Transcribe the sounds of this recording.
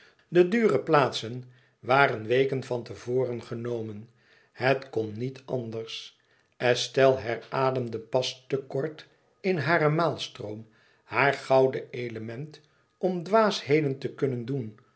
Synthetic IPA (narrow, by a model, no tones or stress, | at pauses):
dədyːrəplaːtsən | ʋaːrənʋejkənvɑntəvoːrənχənowmən | hətkɔnːitɑndəɹs | ɛstɛlˠɦɛɹaːdəmdəpɑstəkɔɹt | ɪnɦaːrəmaːlˠstrowm | haːɹχɑwdəejləmɛnt | ɔmdʋaːshejdəntəkɵnəndun